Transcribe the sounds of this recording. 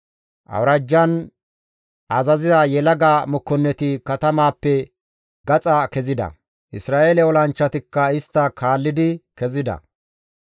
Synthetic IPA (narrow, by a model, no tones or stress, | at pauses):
ʔɐ̰wɾɐd͡ʒːɐn | ʔɐzɐzɪzajɛlɐɡaːmɔkːɔnːɛt̪ɪkɐt̪ɐmaːpːɛ | ɡɐt͡sʼakɛzɪd̪ɐ̰ | ʔɪsɾaːʔeːlɛwɔlɐnt͡ʃːɐt̪ɪkːɐɪst̪ːɐkʰaːlːɪd̪ɪkɛzɪd̪ɐ̰